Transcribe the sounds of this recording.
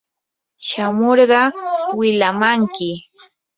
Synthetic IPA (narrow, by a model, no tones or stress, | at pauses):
ʃamoɾɢɑwɪlamaŋkɪ